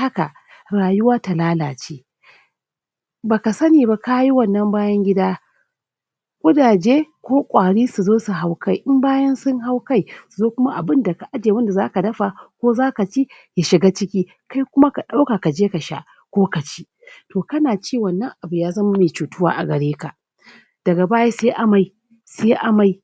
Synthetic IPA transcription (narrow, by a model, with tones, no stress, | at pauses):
ha˦ka˨ | ɽaː˨jʊ˦waː˦ta˨laː˦laː˨t͡ʃeː˦ | baː˨ka˨sɐ˦niː˨ba˦ka˦ji˦wɐ˦˨nːɐ˦mbaː˦jɐ˦ŋɡʲɪ˦daː˦ | kʷʼʊ˦daː˨d͡ʒeː˦kʷoː˦kʷʼaː˨ɽiː˦su˨zoː˦su˨ɦa˨wka˦jʔɪ˦mbaː˦jɐ˦nsʊ˦ŋɦa˦wka˦jsu˨zoː˦kʷʊ˦ma˦ʔa˨bɪ˦nda˨ka˨ʔa˦d͡ʒe˨wɐ˦nda˨zaː˦ka˨dɐ˦ɸa˨kʷoː˦zaː˦ka˨t͡ʃi˦ | ja˨ʃɪ˨ɡa˦t͡ʃɪ˦kʲiː˦ | ka˦jkʷʊ˦ma˦ka˨ɗa˦wka˨ka˨d͡ʒeː˦ka˨ʃa̰˦˨ʔ | kʷoː˦ka˨t͡ʃi̥˦ | toː˨kɐ˦naː˨t͡ʃiː˦wɐ˨nːɐ˦ŋʔa˨bu˨jaː˦zɐ˦ma˦meː˨t͡ʃuː˨tʊ˦wa̰ː˦ʔa˨ɡɐ˨ɽeː˦ka˨ | d̥ɐ˨ɡa˨baː˦jaː˦se˦ʔa˨ma˨j | seː˦ʔa˨ma˨j